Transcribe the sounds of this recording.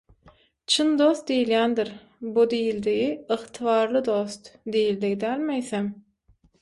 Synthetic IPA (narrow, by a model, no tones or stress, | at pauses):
t͡ʃʰɯnd̪o̞st̪̚d̪ejiljænd̪iɾ | bud̪ejild̪iɣiɨχt̪ʰɨvɑːɾlˠɯd̪o̞st̪d̪ejild̪iɣid̪æːlʲmejθem